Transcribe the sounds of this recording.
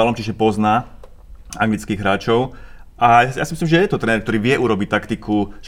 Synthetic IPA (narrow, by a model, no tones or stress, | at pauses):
alɔmt͡ʃiʒɛpɔznaː | a̰ŋɡlit͡skiːɣɦɾaːt͡ʃɔʊʔasja̰simislimʒɛjɛt̪ɔt̪ɾɛnɛɾk̚t̪ɔɾiːʋɪɛʔuɾɔbic̚t̪akt̪ikʰuʒ